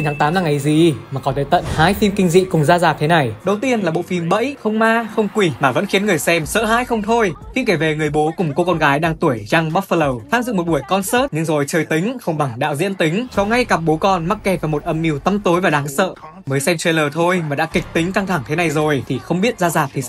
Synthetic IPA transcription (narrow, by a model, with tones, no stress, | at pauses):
i˨ntʰaː˨˦ŋt̪aː˨˦mnaː˧ŋə˨˩jzi˨˩maː˨˩kɔ˨˦nɗə˨˦jt̪ə̰˧˨nha̰ː˧˥jfi˧mkï˧ŋ̟zḭ˧˨kʊ˨˩ŋ͡mzaː˧zaː˨˩k̚t̪ʰna˨˩jɗə˨˩wt̪i˧ənlaː˨˩ɓo̰˧˨fi˧mɓə̰˧˥jxə˧wŋ͡mmaː˧xə˧wŋ͡mkwi˧˩maː˨˩və̰˧˥nxi˨˦ənŋɨ˨˩əjsɛ˧msə̰ː˧˨ɦa̰ː˧˥jxə˧wŋ͡mt̪ʰo˧jxi˧ŋke˧˩ve˨˩ŋɨ˨˩əjɓo˨˦kʊ˨˩ŋ͡mko˧kɔ˧nɣaː˨˦jɗaː˧ŋt̪u˧˩əjza˧ŋɓaː˦˥t̚fə˧lə˨˩wt̪ʰaː˧˥mzɨ̰˧˨ŋmo˨˩t̚ɓu˧˩əjkɔ˧nsəː˦˥t̚ɲɨ˧ŋzo˨˩jt͡ɕəː˨˩jt̪ï˨˦ŋ̟xə˧wŋ͡mɓa˨˩ŋɗa̰ː˧˥wzḭ˧˥ənt̪ï˨˦ŋ̟t͡ɕɔ˨˧˦ŋa˧jka˨˩p̚ɓo˨˦kɔ˧nma˦˥t̚kɛ˧˩p̚vaː˨˩mo˨˩t̚ʔə˧mʔi˧əwt̪ə˧mt̪o˨˦jvaː˨˩ɗaː˨˦ŋsə̰ː˧˨ | məː˨˦jsɛ˧mt͡ɕe˧jləː˨˩t̪ʰo˧jmaː˨˩ɗa̰˧˥kï˨˩k̚t̪ï˨˦ŋ̟ka˧ŋt̪ʰa˧˩ŋt̪ʰe˨˦na˨˩jzo˨˩jt̪ʰi˨˩xə˧wŋ͡mɓi˦˥ət̚zaː˧zaː˨˩p̚t̪ʰi˨˩